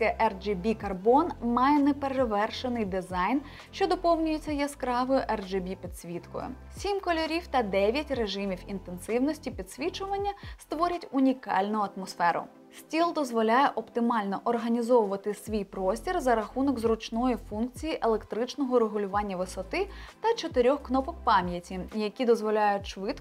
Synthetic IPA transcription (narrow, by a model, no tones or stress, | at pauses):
kɛʔɛrd͡ʒebʲikɐrbɔnmɑjɛnɛpeɾeʋɛrʃenɪjd̪ɪzɑjn | ʃt͡ʃɔd̪ɔpɔwnʲʊjet͡sʲːɐjɐskɾɑʋɔjʊʔɛrd͡ʒɪbʲipʲid̪̥sʲʋʲit̪kɔ̰jʊ̰ | sʲimʲkɔlʲɔɾʲiwt̪ɐd̪ɛʋʲjɐtʲreʒɪmʲiwint̪ensɪwnɔsʲtʲipʲid̪sʲʋʲit͡ʃʊʋɐnʲːɐst̪ʋɔɾʲɐtʲʊnʲikɑ̰lʲnʊɐt̪mɔsfɛɾʊ̰ | sʲtʲilˠd̪ɔzʋɔlʲajɛʔɔpt̪ɪmɑlʲnɔʔɔrɦɐnʲizɔʋʊʋɐt̪ɪsʲʋʲijpɾɔsʲtʲirzɐɾɐxunɔɡzɾʊt͡ʃnɔjifunk̚t͡sʲijiʔelˠekt̪ɾɪt͡ʃnɔɦɔɾeɦʊlʲʊʋɑnʲːɐʋɪsɔt̪ɪt̪ɐt͡ʃɔt̪eɾʲɔxknɔpɔk̚pɑmʲjɐtʲijɐkʲid̪ɔzʋɔlʲajʊtʲʃʋɪt̪